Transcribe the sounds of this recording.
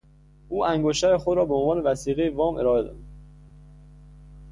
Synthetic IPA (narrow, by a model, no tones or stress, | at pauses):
ʔuːʔæŋɡoʃt̪æɾexod̪ɾɒːbeonvɒːnevæsiːɣejevɒːmʔḛɾɒːe̞d̪ɒ̰u̥